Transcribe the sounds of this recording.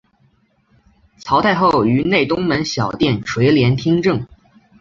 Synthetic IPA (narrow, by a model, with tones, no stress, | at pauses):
t͡sʰɑ˧˥ʊt̪ʰa˥˧ɪxo˥˩ʊy˧˥ne˥˩ɪt̪ʊ˥ŋmə˧˥nɕjɑ˨˩ʊt̪jɛ˥˩nʈ͡ʂʰwe˧˥ɪljɛ˧˥nt̪ʰi˥ŋʈ͡ʂɤ˥˩ŋ